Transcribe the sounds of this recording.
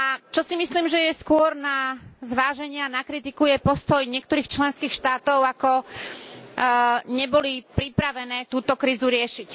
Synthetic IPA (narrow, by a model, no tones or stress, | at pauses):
at͡ʃɔsimisliːmʒɛjɛskʊɔɾnazʋaːʒɛɲɪɛanakɾit̪ikujɛpɔst̪ɔjɲɪɛk̚t̪ɔɾiːxt͡ʃlɛnskiːxʃt̪aːt̪ɔʊakɔ | ɲɛbɔlipɾipɾaʋɛnɛːt̪uːt̪ɔkɾiːzuɾɪɛʃic